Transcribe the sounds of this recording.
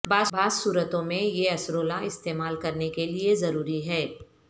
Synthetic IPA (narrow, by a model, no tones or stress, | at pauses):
baːbʱaːzsuːɾət̪õmẽjeɐsɾoːlãɪst̪eːmaːlkɐɾnekeliezɐɾuːɾiɦɛː